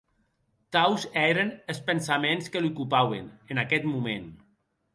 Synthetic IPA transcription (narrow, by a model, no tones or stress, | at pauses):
kawzɛɾenespənsamenskəlukupawḛnenakɛt̪mumen